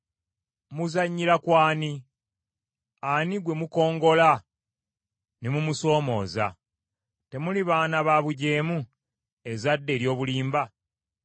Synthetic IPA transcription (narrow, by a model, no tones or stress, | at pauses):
muzaɲːiɾakwaːni | aniɡwe̞muko̞ːŋɡo̞la | nemumuso̞ːmo̞̰ːza̰ | te̞muliβaːnaβaβuɟe̞ːmu | e̞zadːe̞ːɾjo̞ːβuliːmba